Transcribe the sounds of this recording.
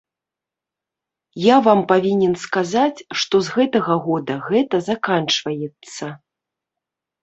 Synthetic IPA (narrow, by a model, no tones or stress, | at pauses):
javampavʲinʲɛnskazat͡sʲʂt̪ɔzɣɛt̪ɐɣɐɣɔd̪ɐɣɛt̪ɐzakant͡ʂvɐjɛt̪sːɐ